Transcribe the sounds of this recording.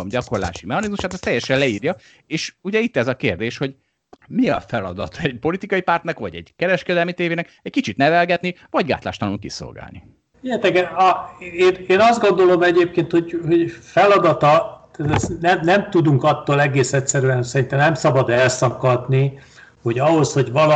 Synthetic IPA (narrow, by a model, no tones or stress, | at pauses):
omɟɒko̞rla̰ːʃimɛɦɒnizmuʃaːt̪ɛst̪ːɛjːɛʃɛlɛiːrjɒ | eːʃuɟɛit̪ːɛzɒkeːrd̪eːʃho̞ɟ | miɒ̰fɛlɒ̰d̪ɒ̰t̪ʰɒɛɟpo̞lit̪ikɒjipart̪nɛkʋɒɟɛ̰ɟkɛɾɛʃkɛd̪ɛlmit̪eːveːnɛkɛɟ̥̚kit͡ʃit̪nɛvɛlɡɛt̪nivɒɟɡa̰ːt̪la̰ːʃt̪ɒnuŋkḭso̞̰lɡa̰ːlnḭ | ɛjɛt̪ɛɡɛɒeːneːnɒzd̪ɡo̞nd̪o̞lo̞mɛɟeːp̚keːnt̪ho̞ɟho̞ɟfɛlɒd̪ɒt̪ɒt̪at̪ɛsnɛmnɛmt̪ud̪uŋkɒt̪ːoːlɛɡeːsɛtʲsɛɾyɛnsɛɾint̪ɛmnɛmsɒbɒd̪ɛlsɒpkɒt̪ni | ho̞ɟɒɦo̞sho̞ɟvɒl